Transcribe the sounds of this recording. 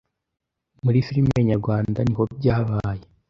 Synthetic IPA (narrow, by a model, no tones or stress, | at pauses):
muɾifiɾimeɲaɾɡwaːndaniho̞b̚ɟaːβaːje